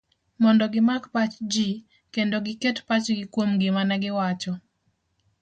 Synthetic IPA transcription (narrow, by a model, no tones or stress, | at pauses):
mɔndɔɡɪmakpat͡ʃd͡ʒi | kendoɡɪketpat͡ʃɡɪkwomɡɪmanɛɡɪwat͡ʃɔ